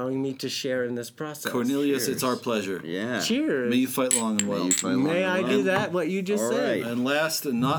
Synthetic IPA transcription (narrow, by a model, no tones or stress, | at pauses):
oʊɪ̃ŋmiɾɨʃɛɹɨ̃nðɪspʰɹ̥ɑsɛkʰɔɹnɪlˠiɨsɨtsaʊə˞pʰl̥ɛʒə˞jæt͡ʃʰɪɹmeɪjɨfaɪtlɔ̃ŋə̃nwɛ̰lˠfaɪmeɪaɪɨðæt̚wʌt͡ʃɨd͡ʒʌsseɨ̃nlæstɨ̃nːə